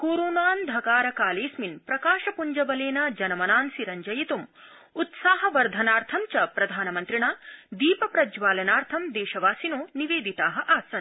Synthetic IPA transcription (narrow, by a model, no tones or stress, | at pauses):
koːɾoːnaːnd̪ʱɐkaːɾɐkaːleːsminpɾɐkaːʃɐpuɲd͡ʒɐʋɐleːnɐd͡ʒɐnɐmɐnaːnsiɾɐɲd͡ʒɐjit̪um | ut̪saːɦɐʋɐɾd̪ʱɐnaːɾt̪ʰɐmt͡ʃɐpɾɐd̪ʱaːnɐmɐnt̪ɾiɳaːd̪iːpɐpɾɐd͡ʒʋaːlɐnaːɾt̪ʰɐmd̪eːʃɐʋaːsinoːniʋeːd̪it̪aːɦɐʔaːsɐn